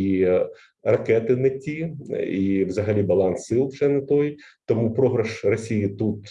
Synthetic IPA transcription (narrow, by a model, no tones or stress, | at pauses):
i | rɐkɛt̪ɪnɐtʲiiwzɐɦɐlʲibɐlˠɑnsɪlˠwʒɛnɐt̪ɔjt̪ɔmupɾɔɦɾɐʃrɔsʲijit̪ut̪